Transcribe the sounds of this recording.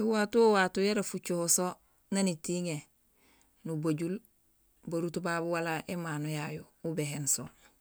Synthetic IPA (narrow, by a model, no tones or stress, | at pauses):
ewatuwatujeɾafut͡ʃohoso | nanitiŋe | nubaɟul | baɾutubabuwalaʔemaːnojajoubeɦensol